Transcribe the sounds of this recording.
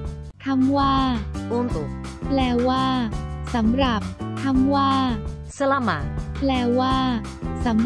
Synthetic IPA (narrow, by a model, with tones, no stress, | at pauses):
t̪ʰa˧˥˩mwaː˥˩u˥˩mt̪u˨˩ | plɛː˧˩waː˥˩sa˩˦mɾa˨˩p̚t̪ʰa˧˥˩mwaː˥˩ | sa˦˥la˧maː˨˩˦lɛː˧˩waː˥˩ | sa˨˩˦m